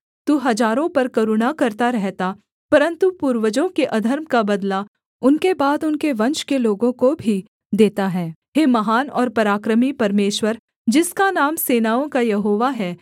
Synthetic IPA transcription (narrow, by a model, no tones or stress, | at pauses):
t̪uːɦɐd͡ʒaːɾõpɐɾkɐɾʊɽakɐɾt̪aɾɛɦt̪a | pɐɾə̃nt̪upuːɾʋəd͡ʒõkeʔɐd̪ʱəɾmkabɐd̪la | ʊnkebaːd̪ʊnkeʋɐ̃nʃkeloːɡõkobʱi | d̪eːt̪aɦɛːɦeːmɐɦaːnɔːɾpɐɾaːkɾəmipɐɾmeːʃwəɾ | d͡ʒɪskanaːmseːnaːõkajɐɦoːʋaɦɛː